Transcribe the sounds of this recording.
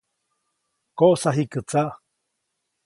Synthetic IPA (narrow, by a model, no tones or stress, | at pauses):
koʔsaɦikɨt͡saʔ